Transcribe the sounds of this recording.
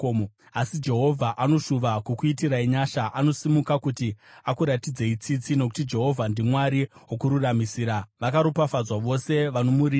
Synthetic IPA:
asid͡ʒe̞ɦo̞vʱaʔano̞ʂuʋakukuitiraiɲaʃaʔano̞simukakutiakuɾatid͡ze̞it͡sit͡sino̞k̬u̥tid͡ʒe̞ɦo̞vʱandimwaɾiokuɾuramisiːɾaʋakaɾopafad͡zwaʋo̞se̞ʋanomuɾi

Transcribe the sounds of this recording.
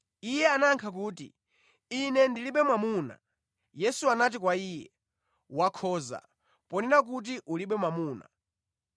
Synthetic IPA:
ijɛanaŋkʰak̬uːtḭ | inɛndiliɓɛmwamuːna̰ | jɛsuanat̬ik̬waiːjɛ̰ | wakʰɔːza̰ | pɔnɛɾak̬ut̬iʔuliɓɛmwamuːna̰

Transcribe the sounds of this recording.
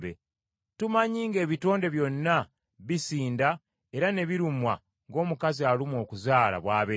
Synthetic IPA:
be | tumaɲiːŋɡe̞ːβito̞ːnde̞βjo̞nːa | βisiːnda | e̞ɾane̞βiɾumwa̰ | ŋɡo̞ːmukazialimwo̞ːkuzaːla̰βwaːβe

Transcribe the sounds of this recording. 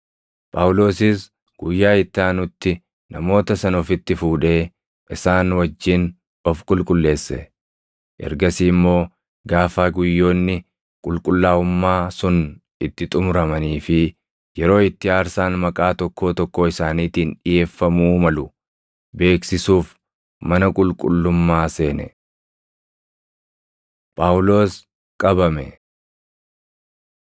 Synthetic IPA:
pʼaːwʊlo̞ːsɪs | ɡ̥ʊjːaːɪt̪ːaːnʊt̪ːɪ | nɐmo̞ːt̪ɐsɐnɔfɪt̪ːɪfuːᶑe̞ː | ʔɪsaːnwɐd͡ʒːɪn | ɔfkʼʊlkʼʊlːe̞ːsːɛ̰ | ʔɛ̰ɾɡɐsiːmːo̞ː | ɡaːfaːɡʊjːo̞ːnːɪ | kʼʊlkʼʊlːaːʊmːaːsʊnʔɪt̪ːɪt̪ʼʊmɾɐmɐniːfɪ | jɛɾo̞ːɪt̪ːɪaːɾsaːnmɐkʼaːt̪ɔkːo̞ːt̪ɔkːoːɪsaːniːt̪iːnᶑɪje̞ːfːɐmuːmɐlʊ | be̞ːksɪsuːf | mɐnɐkʼʊlkʼʊlːʊmːaːse̞ːnɛ̰ | pʼaːʊlo̞ːs | kʼɐbɐmɛ̰

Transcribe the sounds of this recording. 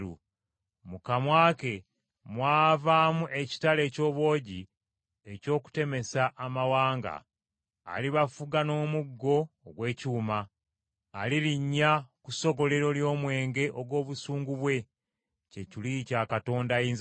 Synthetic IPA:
ṵ | mukamwaːke̞ | mwaːvaːmuʔe̞ci̥tale̞ːco̞ːβwo̞ːɟi | eco̞ːku̥te̞me̞saʔamawaːŋɡa̰ː | liβafuɡano̞ːmuɡːo̞ːɡwe̞ːcuːmaː | liliɲːakuso̞ɡo̞le̞ɾo̞ljo̞ːmwe̞ːŋɡe̞ʔoɡwo̞ːβusuːŋɡuβwe̞ | ce̞cilicakato̞ːndaiːnz

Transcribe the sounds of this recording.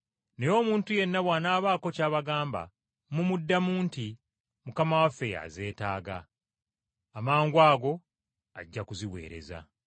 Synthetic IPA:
ne̞jo̞ːmuːntuje̞nːaβwaːnaːβaːko̞caːβaɡaːmba̰ | mumudːamuːnti | mukamawafːe̞ja̰ze̞ːtaːɡa̰ | amaːŋɡwaːɡo̞ | a̰ɟːakuziwe̞̰ːɾe̞̰za̰

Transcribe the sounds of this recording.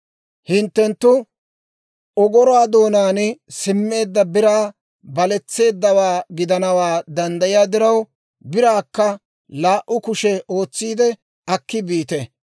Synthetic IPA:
hɪnt̪ːɛnt̪ːʊ | ɔɡɔɾɔwaːd̪o̞ːnaːnsɪmːe̞ːd̪ːɐbɪɾaː | bɐlɛt͡sːe̞ːd̪ːɐwaːɡɪd̪ɐnɐwaːd̪ɐnd̪ɐjɪjaːd̪ɪɾɐw | bɪɾaːkːɐ | laːʔʊkʊʃɛo̞ːt͡sːiːd̪ɛ | ɐkːɪbiːt̪ɛ

